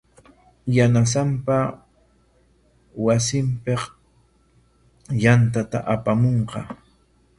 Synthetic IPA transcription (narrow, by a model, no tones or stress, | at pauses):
janas̬ampa | wasɪmpeq | jant̪at̪a̰ʔapamoɴqɑ